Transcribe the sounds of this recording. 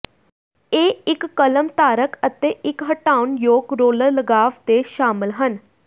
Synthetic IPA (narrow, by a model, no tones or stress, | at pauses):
eːɪkːələmt̪aːɾəkət̪eːʔɪkɦəʈaːʊnjoːɡɾoːləɾləɡaːʋt̪eːʃaːmɪlɦən